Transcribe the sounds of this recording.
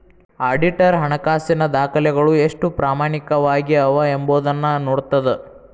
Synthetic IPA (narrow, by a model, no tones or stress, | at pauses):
aːɖiʈɐɾɦɐɳɐkaːsinɐd̪aːkʰɐlɛɡɐɭueʂʈupɾaːmaːɳikɐʋaːɡiɐʋɐemboːd̪ɐnːɐnoːɽt̪ːɐd̪e